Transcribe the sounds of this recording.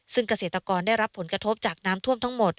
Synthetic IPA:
sɯ˥˩ŋka˧seː˨˩t̪ːɾa˧kɔː˧ndaː˥˩jɾa˦˥pʰːo˩˦nkɾa˧t̪ʰo˦˥p̚t͡ɕaː˨˩k̚naː˦˥mt̪ʰu˥˩mt̪ʰa˦˥ŋmo˨˩t̪̚

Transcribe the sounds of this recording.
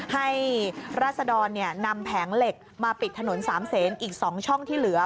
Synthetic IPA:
ha˥˩jɾaː˥˩t̪̚sa˧dɔː˧nːi˥˩ɐna˧mpʰɛː˩˦ŋle˨˩k̚maː˧pi˨˩t̪ʰːa˧no˩˦nsaː˩˦mseː˩˦nʔiː˨˩k̚sɔː˩˦ŋt͡ɕʰɔ˥˩ŋt̪ʰiː˥˩lɯ˩˦ɐ

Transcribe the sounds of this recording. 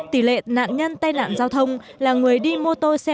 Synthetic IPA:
t̪i˧˩˦lḛ˧˨na̰ː˧˨nɲə˧nt̪aː˧jna̰ː˧˨nzaː˧wt̪ʰə˧wŋ͡m | laː˨˩ŋɨ˨˩əjɗi˧mu˧ət̪o˧jsɛ˧

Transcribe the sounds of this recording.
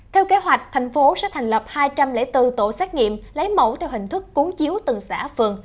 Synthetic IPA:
t̪ʰɛ˧wke˨˦ɦwa˨˩jk̟̚t̪ʰɛ˨˩jŋ̟fo˨˦sɛ̰˧˥t̪ʰa˨˩jŋ̟lə˨˩p̚haː˧jt͡ɕa˧mlḛ˧˥t̪ɨ˧t̪o̰˧˨sɛː˦˥k̚ŋḭ˧˨mlə˨˦jmo̰˧˩t̪ʰɛ˧wɦï˨˩ŋ̟t̪ʰɨ˦˥kːu˨˦əŋt͡ɕi˨˦əwt̪ɨ˨˩ŋsa̰ː˧˥fɨ˨˩əŋ

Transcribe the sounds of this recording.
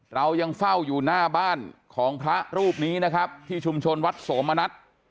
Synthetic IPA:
ɾa˧wja˧ŋfa˥˩wjuː˨˩naː˥˩baː˥˩nkʰɔː˩˦ŋpʰɾa˦˥ɾuː˥˩p̚niː˦˥na˦˥kʰɾa˦˥p̚t̪ʰiː˥˩t͡ɕʰu˧mt͡ɕʰo˧nwa˦˥t̪̚soː˩˦mʔa˧na˦˥t̪̚

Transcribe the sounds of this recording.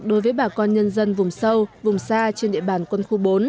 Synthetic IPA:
ɗo˨˦jvəː˨˦jɓaː˧˨˩kɔ˧nɲə˧nzə˧nvʊ˨˩ŋ͡msə˧wvʊ˨˩ŋ͡msaː˧t͡ɕe˧nɗḭ˧˨əɓaː˧˩nkwə˧nxu˧ɓo˨˦n

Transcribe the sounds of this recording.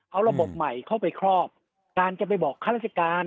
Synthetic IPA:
ʔa˧wɾa˧bo˨˩p̚ma˨˩jkʰa˥˩wpa˧jkʰɾɔː˥˩p̚ | kaː˧nt͡ɕa˨˩pa˧jbɔː˨˩kʰːaː˥˩ɾaː˥˩t͡ɕa˧kaː˧n

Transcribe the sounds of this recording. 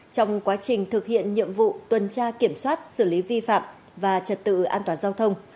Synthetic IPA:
t͡ɕɔ˧wŋ͡mkwaː˨˦t͡ɕï˨˩ŋ̟t̪ʰɨ˨˩k̚hḭ˧˨ənɲḭ˧˨əmvṵ˧˨t̪wə˨˩nt͡ɕaː˧ki˧˩əmswaː˦˥t̚sɨ˧˩li˨˦vi˧fa̰ː˧˨m | vaː˨˩t͡ɕə˨˩t̚t̪ɨ̰˧˨ʔaː˧nt̪waː˨˩nzaː˧wt̪ʰə˧wŋ͡m

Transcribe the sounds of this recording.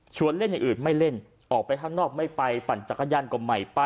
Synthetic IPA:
t͡ɕʰu˧ənle˥˩nja˨˩ŋʔɯː˨˩nma˥˩jle˥˩n | ʔɔː˨˩k̚pa˧jt̪ʰa˥˩ŋnɔː˥˩k̚ma˥˩jpa˧jpa˨˩nt͡ɕa˨˩kʰːa˧jaː˧nko˨˩mːa˨˩jpa˧

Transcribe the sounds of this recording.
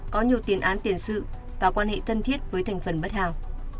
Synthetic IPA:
kɔ˨˦ɲi˨˩əwt̪i˨˦ənʔaː˨˦nt̪i˧˩ənsɨ̰˧˨ | vaː˨˩kwaː˧nhḛ˧˨t̪ʰə˧nt̪ʰi˦˥ət̚vəː˨˦jt̪ʰŋ̟fə˨˩nɓə˦˥t̚haː˧˨w

